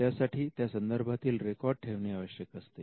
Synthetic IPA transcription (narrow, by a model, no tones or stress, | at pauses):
jasaʈʰiːt̪jasənd̪əɾbʱat̪iːlɾekɔɾɖ̚ʈʰeʋneaʋəɕjəkəst̪e